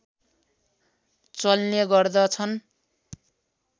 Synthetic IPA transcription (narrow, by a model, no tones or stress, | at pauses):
t͡sʌlneɡʌrd̪ʌt͡sʰʌn